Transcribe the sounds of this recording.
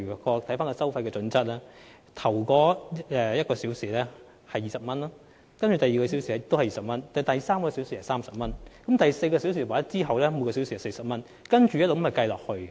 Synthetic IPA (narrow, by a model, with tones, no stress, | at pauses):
y˨˩kɔː˧t̪ʰɐ˨˥jfaː˥nkɔ˧sɐ˥wfɐ˧jkɛː˧t͡sɵ˨˥nt͡sɐ˥t̚lɛː˥ | t̪ʰɐ˨˩wkɔː˨˥ɛː˨˧jɐ˥t̚kɔː˧siː˨˥wsiː˨lɛː˥ | hɐ˨jːiː˨sɐ˨p̚mɐ˥nlɔː˥ | kɐ˥nt͡ʃyː˨˩t̪ɐ˨jiː˨kɔː˧s̬i˨˦˥wsi˨˩ɛ˥t̪o˥whɐ˨jiː˨sɐ˨p̚mɐ˥nt̪ɐ˨˩t̪ɐ˨jsaː˥mkɔː˧si˨˥wsi˨hɐ˨˩saː˥msɐ˨p̚mɐ˥nkɐ˨˦mt̪ɐ˨jse˧jkɔː˧si˨˥ws̬iː˨˩waː˨˥ɐ˥t͡siː˥ɦɐ˨wlɛː˥mu˨˧kɔː˧si˨˥wsiː˨˩ɐ˨˩se˧jsɐ˨p̚mɐ˥n | kɐ˥nt͡ʃyː˨jɐ˥lo˨kmhɐ˨˩kɐ˧jlɔː˨k̚hɵ˧ɥ